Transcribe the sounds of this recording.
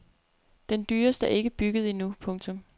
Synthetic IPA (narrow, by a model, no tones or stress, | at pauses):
d̥end̥yːɐsd̥əæɐe̝ɡ̥əb̥yɡ̥əð̞̩ˠinupʰɔ̽ŋt͡sʰɔ̽m